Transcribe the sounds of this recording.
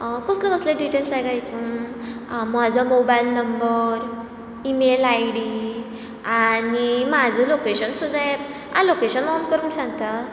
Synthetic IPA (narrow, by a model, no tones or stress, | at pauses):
kɔsklakəsleɖiʈelsajɡajt̪ũ | m̤ad͡zʱɔmobailnəmbəɾ | imelajɽi | animad͡zʱəlokeɕənsud̪ʱa | a̰lokeɕənɔnkəɾunsãŋt̪a